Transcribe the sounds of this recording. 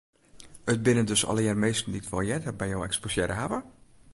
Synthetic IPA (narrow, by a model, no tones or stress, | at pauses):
ət̚bɪnəndøsɔ̰ləjɛrmejstən̩ditʋɔlˠjɛtəbɛjowɛ̰ksposjɛɾəɦavə